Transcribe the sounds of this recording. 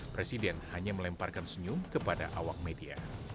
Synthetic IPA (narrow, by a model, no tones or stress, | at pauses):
pɾesidɛnhaɲaməlɛmparkansəɲumkəpadaʔawak̚media̰